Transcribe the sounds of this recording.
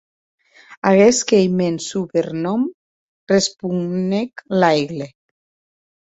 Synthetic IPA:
aɣeskejmensupeɾnɔm | respuŋneklajɣle

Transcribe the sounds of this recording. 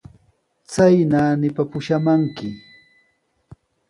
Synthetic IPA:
t͡sajnanɪpapʊʃamaŋkɪ

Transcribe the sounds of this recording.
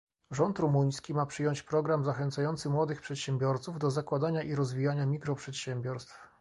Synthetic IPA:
ʐɔnt̪ɾumuɲ̃skʲimapʂɘjɔɲt͡ɕpɾɔɡɾamzaxɛnt̪sajɔnt̪sɘmwɔd̪ɘxpʂɛt̪ɕɛmbʲjɔɾt̪suvd̪ɔzakwad̪aɲaʔiɾɔzvʲijaɲamʲikɾɔpʂɛt̪ɕɛmbʲjɔɾst̪f

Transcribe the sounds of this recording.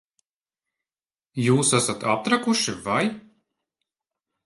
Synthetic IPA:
juːsasat̪ap̚t̪ɾakuʃivaj

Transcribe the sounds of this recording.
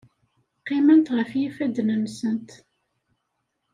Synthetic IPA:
qːɪmənt̪ʁəfjifæd̪nənsənt̪

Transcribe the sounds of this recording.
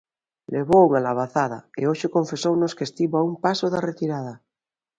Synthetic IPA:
leβouŋalaβ̞aθaða̰ḛoʃeko̞ɱfesownoskest̪iβoaumpasoðaret̪iɾaða

